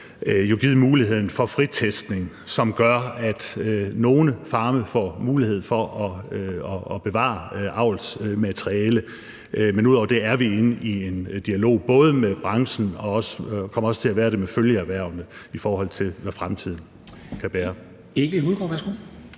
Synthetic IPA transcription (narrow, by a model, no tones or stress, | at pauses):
joɡ̥ið̞̰ˠmuːliɦe̝ð̞̰ˠn̩fɒ̽fʁit͡sʰesd̥ne̝ŋ | sɒ̽mɡ̥ɶɐæd̥no̝ːnəfɑ̈ːməfɒ̰ːmuːlihe̝ð̞̰̩ˠfɒ̽ʔɒ̽ɒːb̥e̝ʋɑ̰̈ʔɑ̈ʊ̰lsmæt͡sʰʁiɛːlə | menuð̰ˠɒ̰ʊɐd̥e̝æɐʋie̝nəʔie̝nd̥iælo̝̰ːb̥ɔ̽ːð̞ˠəmeb̥ʁɑ̈ŋsn̩ɒ̽ɒ̽skʰɒ̽m̰ɐɒ̽sə̥t͡sʰe̝æʋæːɐɾe̝meføljəæʋæɐ̰ʊnəifɒːhɒ̽l̰t͡sʰe̝lʋæfʁamt͡sʰið̞̰ˠn̩ | kʰæb̥eɐ | eɡ̥əihuðˠɡ̥ɒ̰ːʋæɐsɡ̥u